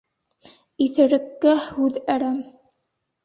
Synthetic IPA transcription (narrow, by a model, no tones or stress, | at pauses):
iθɘ̆ɾɘ̆kːæhʉðæɾæm